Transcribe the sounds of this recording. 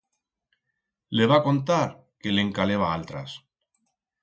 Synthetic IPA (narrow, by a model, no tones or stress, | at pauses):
le̞βako̞nt̪aɾ | ke̞leŋkale̞β̞aalt̪ɾas